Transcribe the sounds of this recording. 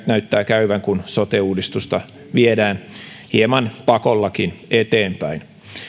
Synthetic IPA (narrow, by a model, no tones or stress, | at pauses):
t̪næyt̪ːæːkæyʋæŋkunsot̪euːdist̪ust̪ɑ | ʋiedæːnhiemɑnpɑkolːɑkinet̪eːmpæin